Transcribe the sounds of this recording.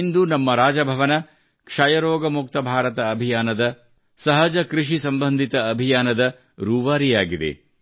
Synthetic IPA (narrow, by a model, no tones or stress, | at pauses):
nd̪unɐmːɐɾaːd͡ʒɐbʱɐʋɐnɐ | kʂɐjɐɾoːɡɐmuk̚t̪ɐbʱaːɾɐt̪ɐːbʱijaːnɐd̪ɐ | sɐɦɐd͡ʒɐkɾiʂisɐmbɐnd̪ʱit̪ɐːbʱijaːnɐd̪ɐ | ɾuːʋaːɾijaːɡid̪ḛ